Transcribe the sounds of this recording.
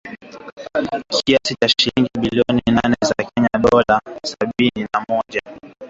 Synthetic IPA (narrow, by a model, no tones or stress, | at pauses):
kʰiasit͡ʃaʃiliŋɡiɓiliɔninanɛzakɛɲaɗɔlasaɓininamɔʄa